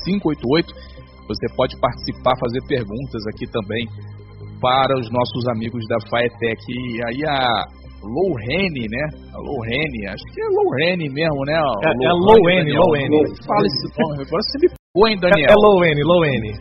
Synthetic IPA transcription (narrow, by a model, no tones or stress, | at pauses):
sĩŋkʊojt̪ʊojt̪ʊ̥ | vosepɔd͡ʒɪpaɾt͡ʃɪ̥sipaɾfazeɾpeɾɡũnt̪ɐzakit̪ɐ̃mbẽj̃ | paɾɐʊznɔsʊzamiɡʊzd̪ɐfaet̪ɛkiaiɐ | lowɦẽnɪnɛ | ɐ̰lʔo̰wɦẽnɪa̰ʃʊ̥kɪɛlowhẽnɪmezmʊnɛɔɛloɛlowẽnɪloẽnofalɐisɪñɡɔɾɐsẽmɪpeɡõẽj̃d̪ɐ̃niɛɛlowẽnɪlowẽnɪ